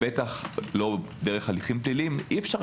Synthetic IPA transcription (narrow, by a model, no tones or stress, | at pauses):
etaχlo̞ | deʁeχaliχimplilimifʃaʁ